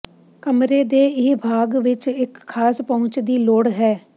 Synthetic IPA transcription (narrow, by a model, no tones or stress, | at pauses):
kəmɾeːd̪eːɪbʱaːɡʋɪt͡ʃɪkʰːaːspəʊ̃t͡ʃd̪iːloːɽɦɛː